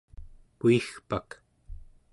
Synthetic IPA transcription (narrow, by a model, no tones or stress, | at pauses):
kuixpak